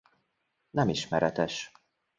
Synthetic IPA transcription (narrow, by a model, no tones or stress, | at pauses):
nɛmiʃmɛɾɛt̪ɛʃ